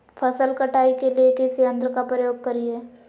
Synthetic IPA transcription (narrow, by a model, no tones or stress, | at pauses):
pʰɐsəlkɐʈaːikeliekɪsiə̃nd̪ɾəkapɾəjoːɡ̚kɐɾieː